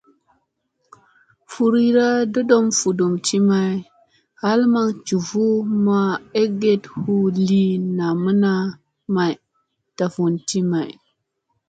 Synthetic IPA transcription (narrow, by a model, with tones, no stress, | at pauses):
fu˨ɾi˦ɾa˦do˦do˦mfu˨do˨mti˦ma˨j | ha˦lma˦ŋt͡ʃu˨vu˦ma˦e˦ɡe˦thu˦li˦na˨mə˦na˦ | ma˨j | ta˨vu˨nti˦ma˨j